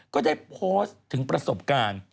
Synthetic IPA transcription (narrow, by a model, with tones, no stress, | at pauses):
kɔː˥˩daː˥˩jpʰoː˦˥st̪ʰɯ˩˦ŋpɾa˧so˨˩p̚kaː˧n